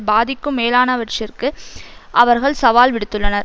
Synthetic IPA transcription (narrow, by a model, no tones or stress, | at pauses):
baːðɪkːɯmːeːlaːnɐʋɐʈt͡ʃɪrkɯʔɐʋɐɾɣɐɭsɐʋaːlʋɪɽɯt̪ːɯɭːɐnɐɾ